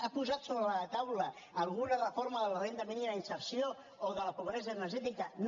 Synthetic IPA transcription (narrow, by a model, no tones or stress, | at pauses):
apuzat̪soβɾəlat̪awləː | lˠɣunarəfoɾmaðəlarent̪amininainsəɾsio | oðəlapoβɾezanəɾʒɛt̪̬ikən